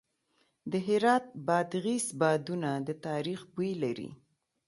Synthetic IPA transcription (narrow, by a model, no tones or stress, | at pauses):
d̪əɦɪɾɑt̪̚bɑd̪ɣisbɑd̪unad̪ət̪ɑɾixbulaɾḭ